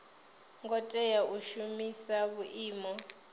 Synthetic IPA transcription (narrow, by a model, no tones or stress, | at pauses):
ŋɡɔtʼɛjaʔuʃumisaβuʔiːmɔ